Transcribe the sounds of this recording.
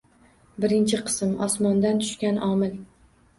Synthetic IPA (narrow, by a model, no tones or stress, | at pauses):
bɪɾɪnt͡ʃʰɪqʰɨ̥smɒ̰smɒnd̪ant̪ʰʊ̥ʃkʲanʔɒmɪl